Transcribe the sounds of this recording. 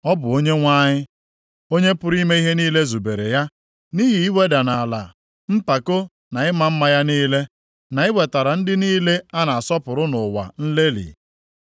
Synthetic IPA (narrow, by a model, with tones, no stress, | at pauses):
ɔ˦bʊ˨o˦ɲe˦ŋʷa˦ɲɪ˦ | o˦ɲe˦pʊ˦ɾi˦me˦i˦ɦe˦niː˦le˦zu˨be˨ɾḛ˨ja˦ | ni˦ɦi˨i˦we˦da˨na˨a˨la̰˨ | m̩˦pa˨ko˦ | na˨ɪ˦ma˨m̩˦ma˦ja˦niː˦le˦ | na˨ɪ˦we˨ta˨ɾa˨n̩˦dɪ˦niː˦le˦a˦na˨a˨sɔ˦pʊ˨ɾʊ˦nʊ˨wa̰˨n̩˦le˦lḭ˨